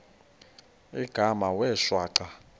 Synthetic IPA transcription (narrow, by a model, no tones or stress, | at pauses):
iɡ̥ʱamawɛːʃwaːǀa